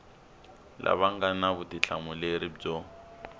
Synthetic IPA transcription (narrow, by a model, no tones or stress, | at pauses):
lʔa̰βaŋɡanaβutit͡ɬʰamuleɾibd͡zɔ